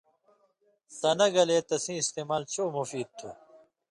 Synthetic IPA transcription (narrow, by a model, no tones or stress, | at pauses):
sɐnɐɡɐleːt̪ɐsĩːist̪eːmaːlt͡ɕʰoːmufiːd̪̚t̪ʰo̰